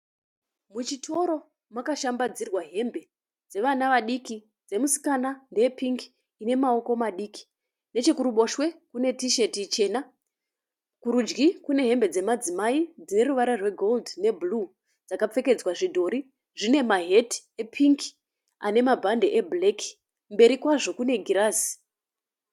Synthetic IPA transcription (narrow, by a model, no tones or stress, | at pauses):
mut͡ʃitʰo̞ɾo̞ | makaʃambad͡zirwaɦe̞mbe̞ | d͡ze̞ʋanaʋaɗiki | d͡ze̞musi̥kanandejepiŋki̥ː | ne̞mao̞ko̞maɗiːki̥ | ne̞t͡ʃe̞kuɾuɓo̞ʃwe̞kune̞tiʃe̞tit͡ʃe̞ːna | kuɾud͡ʒɡikune̞ɦe̞mbe̞d͡ze̞mad͡zimaid͡zine̞ruʋaɾarwe̞ɡʱo̞ldne̞bʱulu | d͡zakap͡fe̞ke̞d͡zwaʐidʱo̞ɾi | ʐine̞maɦe̞ti̥epʰiŋki̥ | a̰ne̞mabʱandeʔeble̞kʰi̥ | mbe̞ɾikwaʐo̞kune̞ɡʱiɾaːsi̥